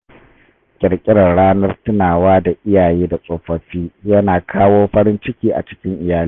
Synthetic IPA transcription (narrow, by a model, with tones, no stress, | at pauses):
kʲʼɪ˨ɽkʲʼɪ˦ɽɐ˨ɽaː˦nɐ˦rtɪ˦naː˨waː˦da˨ʔɪ˦jaː˨jeː˦da˨sʼoː˨ɸɐ˨ɸiː˦jɐ˦naː˨kʰaː˦woː˦ɸɐ˦ɽɪ˦nt͡ʃɪ˦kʲiː˦ʔa̰˨t͡ʃɪ̥˦kʲɪ˦ŋʔɪ˨jaː˦li˦